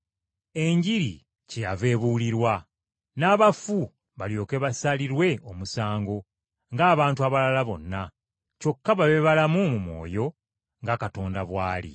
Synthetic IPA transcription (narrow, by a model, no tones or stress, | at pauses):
e̞ɲɟiɾḭ | cejave̞ːβuliɾwa | naːβafu | βaljo̞ːke̞βasaliɾwe̞o̞musaːŋɡo̞ | ŋɡaːβaːntuaβalalaβo̞̰nːa | co̞kːaβaβeβalamumumwo̞̰ːjo̞ | ŋɡakato̞ːndaβwaːlḭ